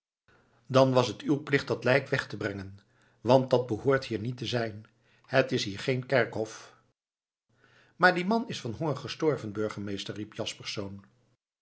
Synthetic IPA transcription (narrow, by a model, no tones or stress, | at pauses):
dɑnʋɑsɦətywplɪχtdɑtlɛjkʋɛχtəbrɛŋən | ʋɑnt̚dɑd̚bəhʊːɹtɦiːɹnitəzɛjn | hətɪsɦiːɹχejnkɛɹkɦɔf | maːɹdimɑnɪsfɑnɦonχəstɔɹvənbøɹχənmejstərːipjɑspɛɹsown